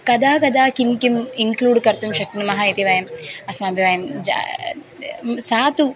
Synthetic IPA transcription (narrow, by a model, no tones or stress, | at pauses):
kɐd̪aːkɐd̪aːkinkimiŋkluːɖkɐɾt̪umʃɐk̚ʈɐnɐmɐɦait̪iʋɐjɐmɐsmaːbʱjiʋɐjɐmd͡ʒ̰ | saːt̪u